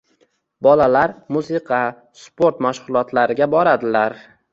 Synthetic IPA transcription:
bɒlalaɾmusɪqʰɑ | spo̞ɾt̪maʃʁʊlˠɒt̪ʰlaɾɪɡʲabɒɾad̪ɪlaɾ

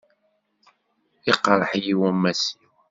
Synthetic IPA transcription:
iqɾˤəħjiwæmːæsiw

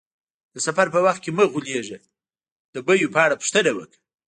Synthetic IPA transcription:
d̪əsafaɾpəwaxt̪̚keməɣuleʐe | d̪̥əbəjupɑɽapʂt̪ənewək

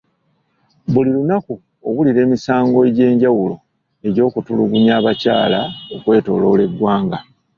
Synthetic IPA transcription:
bulilunaku | oβuliɾe̞ːmisaːŋɡo̞eɟe̞ːɲɟawulo̞̰ | e̞ɟo̞ːkutuluɡuɲaːβacaːlao̞kwe̞ːto̞̰ːlo̞le̞ɡwaːŋɡa

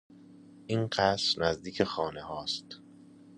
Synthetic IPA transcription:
ʔiːnɢæsɾnæzd̪iːcʰexɒːnehɒːst̪

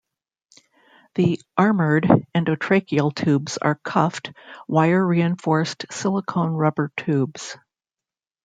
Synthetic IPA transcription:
ðiʔɑɹmə˞ɾɨ̃noʊtʰɹ̥eɪkil̩ˠtʰʉbz̥ə̰˞kʰʌft̚waɪə˞ɹiɨ̃ɱfɔɹstsɪlˠəkʰõʊ̃nɹʌbə˞tʰʉbz̥

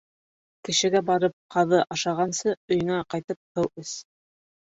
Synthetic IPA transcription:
kɘ̆ʃɘ̆ɡæbɑɾɤp̚qʰɑðɤʔɑʃɑʁɑnsɤɵ̆jɤ̆ŋæqɑjt̪ɤp̚hɤwɘs

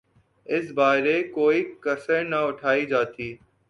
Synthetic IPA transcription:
ɪs̬baːɾeːkoːiːkəɾsənəʊʈʰaːiːd͡ʒaːt̪iː

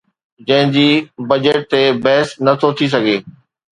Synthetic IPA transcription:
d͡ʑɐ̃ɦɪ̃d͡ʑiːbɐd͡ʑəʈ̚t̪ebɛɦɪsnɐt̪ʰot̪ʰis̬ɐɡʱeː

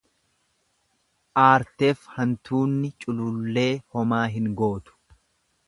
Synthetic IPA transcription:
ʔaːɾt̪eːfhɐnt̪uːnːɪt͡ʃʼʊlʊlːe̞ːhɔmaːɦɪŋɡo̞ːt̪ʊ̥

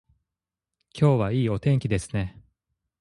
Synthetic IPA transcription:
kʲʰo̞ːβaiːo̞t̪ẽ̞ŋkʲid̪e̞sɨ̥ne̞

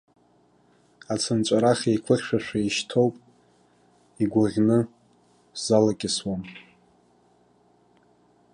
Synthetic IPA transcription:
at͡sʰɨnt͡ʃʷʼaɾaχʲejkʷʰɨχʲʃʷᶣaʃᶣʷaiʃtʰo̞wpʼ | iɡʷaʁʲnɨ | z̥alakʲʼɪswan

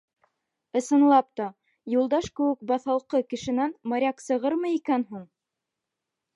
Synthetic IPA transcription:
ɤ̆sɤ̆nlˠɑp̚t̪ɑ | julˠd̪ɑʃkɘ̆wɘk̚bɑθɑlˠqɤkɘ̆ʃɘ̆nænmɑɾʲɑksɤ̆ʁɤɾmɤikænɦuɴ

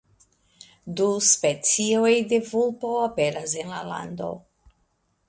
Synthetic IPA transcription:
duspet͡siojde̞vulpoapeɾase̞nlala̰ndo̞̰

